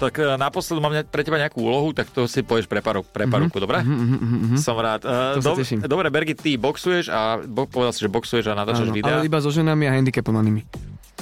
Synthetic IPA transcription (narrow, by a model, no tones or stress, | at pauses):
t̪akːnapɔslɛd̪umaːmɲɛpɾɛcɛbaɲɛakuːṵːlɔɦut̪akt̪ɔsipɔʋɟɛʃpɾɛpaɾukpɾɛpaɾukud̪ɔbɾɛɦɦɦ̩ɦsɔmɾaːt̪ːsd̪ɔɛʃimd̪ɔbɾɛbɛɾɡit̪t̪ːibɔksujɛʒabpɔʋɛd̪alsiʒɛbɔksujɛʒanat̪aːt͡ʃaʒʋidaɛaɛibazɔʒɛnamiaɦɛnd̪ikɛpɔʋanimi